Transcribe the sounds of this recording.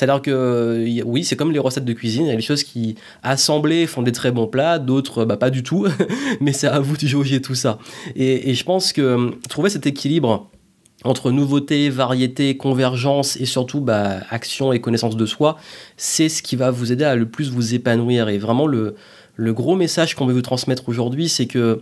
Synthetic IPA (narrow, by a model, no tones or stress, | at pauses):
se̥t̪ad̪iʁkəawisɛkɔmleʁəsɛt̪̚d̪əkʲɥizinjaleʃozkʲi | asɑ̃blɛfɔ̃d̪et̪χɛbɔ̃plad̪ot̪χøbapad̪yt̪ʰumɛsɛavud̪əʒoʒet̪usaeːʒəpɑ̃skət̪χuvesɛt̪ekʲʰilibʁ | ɑ̃t̪χənuvot̪evaʁjet̪ekɔ̃vɛʁʒɑ̃sesyʁt̪ubaaksjɔ̃ekɔnɛsɑ̃s̬d̪əswasɛsə̥kʲivavuzed̪ealəplys̬vuzepanwiʁevʁɛmɑ̃lə | ləɡʁomesaʒkɔ̃pøvut̪χɑ̃smɛt̪χoʒuʁd̪ɥisɛkə